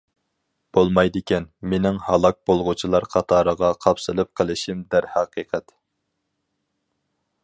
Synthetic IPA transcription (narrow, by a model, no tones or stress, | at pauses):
b̥olˠmɑjd̪ɪkʲɛnmenɪŋhɑlˠɑk̚b̥olˠʁʊt͡ʃʰilˠɑɾqʰɑt̪ʰɑːɾəʁɑqʰɑpsɨlˠɨp̚qʰəlˠɪʃimd̪æɾhæqʰiːqʰɛt̪